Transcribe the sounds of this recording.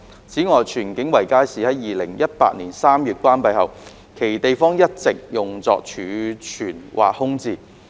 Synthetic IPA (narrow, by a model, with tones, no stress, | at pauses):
t͡sʰiː˨˥ŋɔː˨jt͡ʃʰyː˨˩nkɪ˨˥ŋwɐ˨˩jkaː˥jsiː˨hɐ˨˦jjiː˨˩lɪ̰˨˩ŋjɐ˥t̚pa̰ː˧˥t̚niː˨˩nsaː˥mjyː˨˧t̚kʷwaː˥npɐ˧jhɐ˨w | kʰe˨˩jt̪e˨jfɔː˥ŋjɐ˥t̚t͡sɪ˨k̚jʊ˨ŋt͡sɔ̰ː˧k̚t͡ʃʰyː˨˧t͡ʃʰyː˨˩nwʔa̰ː˨k̚hʊ˥ŋt͡siː˧